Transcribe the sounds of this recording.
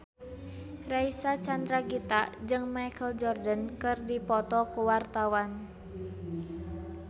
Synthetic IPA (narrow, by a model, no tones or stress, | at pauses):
raisat͡ʃand̪ɾaɡit̪ad͡ʒɨŋmajkəld͡ʒɔrdənkɨrdipɔt̪ɔkuwart̪awan